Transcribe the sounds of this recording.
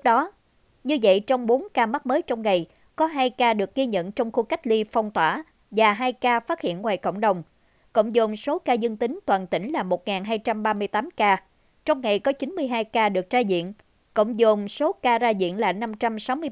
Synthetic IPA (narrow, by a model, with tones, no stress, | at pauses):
ɨ˦˥k̚ɗɔ˨˦ | ɲɨ˧və̰˧˨jt͡ɕɔ˧wŋ͡mɓo˨˦nkaː˧ma˦˥t̚məː˨˦jt͡ɕɔ˧wŋ͡mŋa˨˩j | kɔ˨˦ɦaː˧jkaː˧ɗɨ˨˩ək̚ːi˧ɲə̰˧˨nt͡ɕɔ˧wŋ͡mxu˧ka˦˥jk̟̚li˧fɔ˧wŋ͡mt̪waː˧˩ | vaː˨˩ɦaː˧jkaː˧faː˦˥t̚hḭ˧˨ənŋwaː˨˩jkə̰˧˨wŋ͡mɗə˨˩wŋ͡m | ko̰˧˨wŋ͡mzʊ˨˩ŋ͡mso˨˦kaː˧zɨ˧ŋt̪ï˨˦ŋ̟t̪waː˨˩nt̪ï˧˩ŋ̟laː˨˩mo˨˩t̚ŋaː˨˩nɦaː˧jt͡ɕa˧mɓaː˧mɨ˧əjt̪aː˨˦mkaː˧ | t͡ɕɔ˧wŋ͡mŋa˨˩jkɔ˨˦t͡ɕi˨˦nmɨ˧əjɦaː˧jkaː˧ɗɨ˨˩ək̚zaː˧zḭ˧˨ən | ko̰˧˨wŋ͡mzu˨˩ŋ͡mso˨˦kaː˧zaː˧zḭ˧˨ənlaː˨˩na˧mt͡ɕa˧msa˨˦wmɨ˧ə